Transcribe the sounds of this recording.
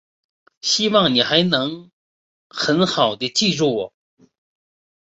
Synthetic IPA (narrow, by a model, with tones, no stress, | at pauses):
ɕi˥wɑ˥˩ŋni˨˩xa˧˥ɪnɤ˧˥ŋ | xə˧˥nxɑ˨˩ʊd̪ə˦˧t͡ɕi˥˧ɻu˥˩wɔ˨˩˦